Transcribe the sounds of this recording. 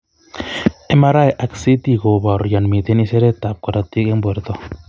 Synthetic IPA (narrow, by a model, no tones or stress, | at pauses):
emaɾaeʔaksit̪iɣoβaɾjanmit̪eniseɾet̪ap̚koɾat̪ikemboeɾt̪o